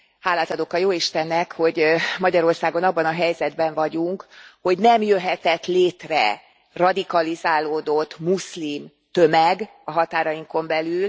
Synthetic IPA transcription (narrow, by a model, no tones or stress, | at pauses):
haːlːaːt̪ɒd̪okɒjoːiʃt̪ɛnːɛkho̞ɟmɒɟɒɾo̞rsaːɡo̞nɒbːɒnɒɦɛjzɛd̪bɛɱvɒɟuŋkho̞ɟnɛmjøɦɛt̪ɛt̪leːt̪rɛ̰ | rɒd̪ikɒlizaːloːd̪o̞t̪ːmuslim | t̪ømɛɡ | ɒɦɒt̪aːɾɒjiŋko̞mbɛlyl